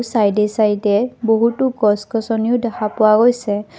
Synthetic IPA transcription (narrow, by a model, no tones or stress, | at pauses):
sajdesajdɛboɦutʊɡɔskɔsɔniʊdɛxʰapʊwaɡojsɛ